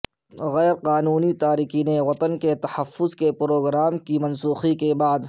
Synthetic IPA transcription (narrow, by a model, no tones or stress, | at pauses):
ɣɛːɾqaːnuːnit̪aːɾiːkiːnewɐt̪ənket̪ɐhɐfːʊzkepɾoːɡɾaːmkimɐnsuːxikebaːd̪